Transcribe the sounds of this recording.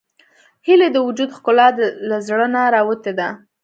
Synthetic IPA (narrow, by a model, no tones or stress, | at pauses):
hiled̪əwʊd͡ʒud̪xkʊlɑd̪lazɽənaɾɑwət̪ed̪a